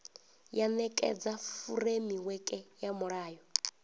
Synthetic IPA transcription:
janɛkʼɛ̰d͡zafuɾemiwɛkʼɛjamɔɺaːjɔ

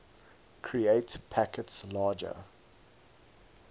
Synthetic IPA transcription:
kʰɹieɪtpʰækətslɑːd͡ʒə̰

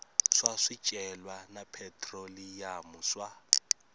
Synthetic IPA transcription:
ʂwaʂit͡ʃʼɛlwanapʰɛtʰʼrolijamuswa

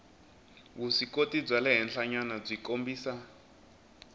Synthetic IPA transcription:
βusikotib͡ʐalɛɦɛnɬʰaɲanab͡ʐʷikombiːsa

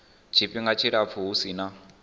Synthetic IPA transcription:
t͡ʃʰipʼiŋɡat͡ʃʰiɺap̪fʰuɦusina

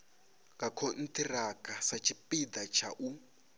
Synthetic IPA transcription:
ŋɡakʰon̩tirakasat͡ʃʰipid̪at͡ʃʰa̰ʔu

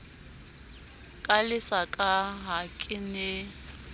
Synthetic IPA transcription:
kʼalɪsakʼaɦakʼɪnɪ

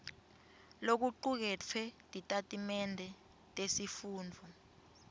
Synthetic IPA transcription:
lok̬uǃuk̬ɛt͡fʰɛdʱʼitʼatʼimɛndʱɛ | tʼesifuːndʱɔ

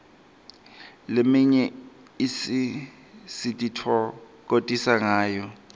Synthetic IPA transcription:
lemiɲɛ | isi | sitʼitʰwɔ | k̬ʼotʼisaŋaːjɔ

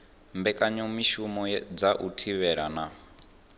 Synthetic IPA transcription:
mbɛkʼaɲɔmiʃumɔd͡zaʔutʰiβɛɺana

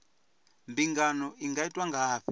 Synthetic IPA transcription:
mbiŋɡanɔʔiŋɡaitʼwaŋɡaːɸi

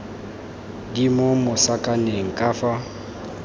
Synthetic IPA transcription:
dimomʊsakʼaneŋ̩kʼaːfa

